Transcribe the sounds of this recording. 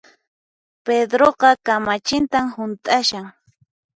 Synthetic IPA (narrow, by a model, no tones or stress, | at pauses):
ped̪ɾoqɑkamat͡ʃɪnt̪amhʊnt̪ʼaʃaŋ